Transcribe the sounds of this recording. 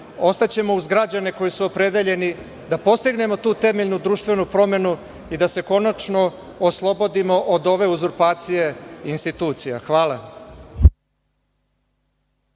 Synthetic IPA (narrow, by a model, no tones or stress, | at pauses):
o̞st̪at͡ɕe̞mo̞uzɡɾad͡ʑane̞ko̞jisuopɾe̞d̪eʎe̞ni | d̪apo̞st̪iɡne̞mo̞t̪uːt̪e̞meʎnud̪ɾuːʃt̪vʋe̞nupɾo̞me̞nu | id̪ase̞ko̞nat͡ʃno̞ | oslˠo̞bo̞d̪imo̞ʔod̪o̞ʋe̞uzuɾpaːt̪sije̞inst̪it̪uːt̪sija̰xʋaːlˠa